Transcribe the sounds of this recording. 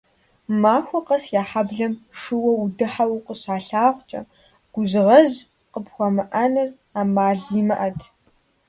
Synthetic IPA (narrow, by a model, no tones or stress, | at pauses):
maːxʷɔqɐsjaːħabɮɐmʂɨwɐudɨħawqəɕaːɬaːʁʷt͡ʃʼɐ̰ | ɡ̥ʷʊʑʁɐʑ | qəpxʷɔmɨʔɐnɨr | aːmaːɮiːmɐʔɐtʰ